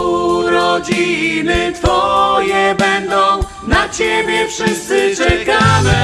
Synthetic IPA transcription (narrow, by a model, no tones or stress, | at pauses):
ɾɔd͡ʑinɘt̪fɔjɛbɛnd̪ɔ̃w̃ | nat͡ɕebʲjɛfʂɪst̪sɨt͡ʂɛkamɘ